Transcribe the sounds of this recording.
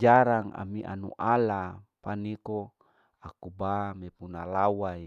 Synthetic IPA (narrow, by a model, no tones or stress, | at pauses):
d͡ʒaɾaŋa̰miʔa̰nṵʔalapaniko | akubamepunalawai